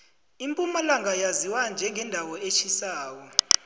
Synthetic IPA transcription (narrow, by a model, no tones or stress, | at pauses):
impʼumalaŋʱajaziwand͡ʒʱɛŋɡʱɛndʱawɔet͡ʃʰisaːwɔ